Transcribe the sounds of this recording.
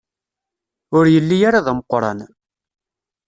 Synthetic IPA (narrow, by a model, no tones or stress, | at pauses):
ʊɾjəlːijaɾaðæməqːɾˤɑ̰n